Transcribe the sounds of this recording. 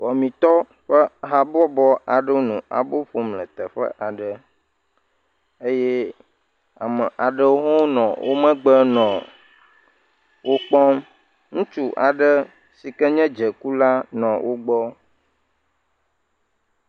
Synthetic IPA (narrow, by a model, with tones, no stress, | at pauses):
wɔ˨mĩ˨t̪ɔ˦ | ɸə˦ɦa˨bɔ˦bɔ˦a˨ɖə˦wo˦nũ˨a̰˨bo˦ɸo˨mlə̃˨t̪ə˨ɸə̰˦ʔa˨ɖə˨ | e˦jɛ˦ | a̰˨mə˨ʔa˨ɖə˦wo˦ɦɔ̃˦nɔ̃˨wʔo˦mə̃˦ɡ͡bə˦nɔ̃˨ | wo˦k͡pɔ˦m | ŋũ˦t͡ʃu˦ʔa˨ɖə˦ | si˨kɛ˦ɲɛ̃˦d͡ʒə˨ku˦la˦nɔ̃˨wʔo˦ɡ͡bɔ˦